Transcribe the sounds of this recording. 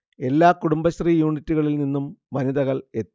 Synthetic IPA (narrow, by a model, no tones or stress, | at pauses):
e̞lːaːkuɽumbɐɕriːjuːɳitːuɣɐɭilninːumʋɐniðɐɣɐɭe̞t̪ː